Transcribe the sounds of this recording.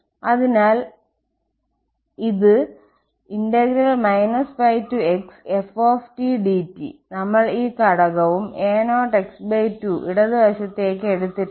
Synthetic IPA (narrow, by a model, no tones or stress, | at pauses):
ɐðinaːl | iðɨ | indɐɡɾɐlmɐjnɐsfɐjtːueksefoːfʈiɖitːḭnɐmːɐɭiːkɐɽɐɣɐʋume̞ːnoːʈeksbɐjtːuʔḭɽɐðɨbɐɕɐt̪ːe̞ːk̬ːɨeɽut̪ːi